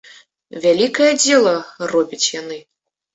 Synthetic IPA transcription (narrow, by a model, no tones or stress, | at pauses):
vʲalʲikɐjɐd͡zʲɛlˠɐrɔbʲit͡sʲjanɨ